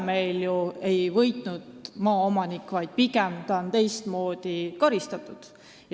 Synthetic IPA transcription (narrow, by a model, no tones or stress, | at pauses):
me̞jljue̞jvɤjt̪nud̪̥mɑːomɑnikːˑvɑjd̪̥̚piɡemt̪ɑont̪e̞jst̪mo̞ːd̪̥ikɑɾist̪ɑt̪ːˑud̪̥ | j